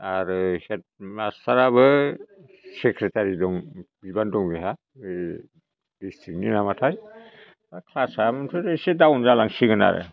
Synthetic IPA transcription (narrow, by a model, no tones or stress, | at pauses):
aɾɯhet̚mastaɾaβɯ | sekɾetʰaɾidɔŋbibandɔŋbeɦa | bistik̚ninamatʰaj | akʰlasamɔntʰɔɾɯjsedawnzalaŋsiɡɯna̰ɾɯ̰